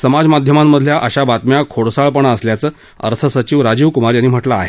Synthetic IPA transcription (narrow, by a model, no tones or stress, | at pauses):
səmad͡zmad̪ʱjəmamːəd̪ʱljaʔəɕabat̪mjakʰoɽsaɭpəɳəsljat͡səː | ə̰ɾt̪ʰəsət͡ɕiʋɾad͡ʑiʋkumaɾjanːiːm̤əʈlaːɦe